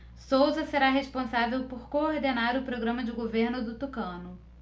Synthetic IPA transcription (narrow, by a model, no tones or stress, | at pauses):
sowzɐseɾaɦespõsavewpoɾkooɾd̪enaɾʊpɾoɡɾɐ̃mɐd͡ʒɪɡoveɾnʊd̪ʊt̪ukɐ̃nʊ